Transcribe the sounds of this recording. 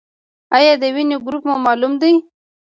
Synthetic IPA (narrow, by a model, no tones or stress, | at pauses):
ajɑd̪əwinoɡɾupmumɑlumd̪ij